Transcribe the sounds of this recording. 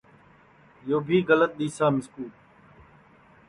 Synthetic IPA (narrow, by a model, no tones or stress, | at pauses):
joːbʱiːɣələt̪̚ɗ̪iːsaːmɪskuːl